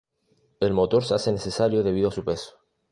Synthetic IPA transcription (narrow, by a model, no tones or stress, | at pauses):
e̞lmo̞t̪o̞ɾseasene̞θesaɾjoð̞e̞β̞iðoasupe̞so̥